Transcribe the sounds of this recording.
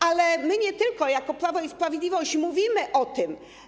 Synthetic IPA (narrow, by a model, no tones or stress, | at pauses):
alɛmɘɲɛt̪ɘlkɔjakɔpɾavɔispɾavʲjed̪lʲivɔɕt͡ɕmuvʲimɘʔɔt̪ɘm